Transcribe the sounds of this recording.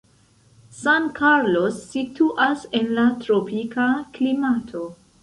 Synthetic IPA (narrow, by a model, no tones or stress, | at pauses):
sankʰaɾlo̞sːitʰuʔase̞nlatɾopikaklimatʰo̞